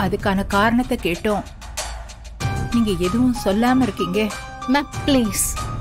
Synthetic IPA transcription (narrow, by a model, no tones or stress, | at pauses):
ɐðɯkːaːnɐkaːɾɐɳɐt̪ːɛkeːʈːõː | niːŋɡɐɛðɯʋʊ̃sɔlːaːmɐɪɾɯkːiːŋɡɐ | mɐkpleːs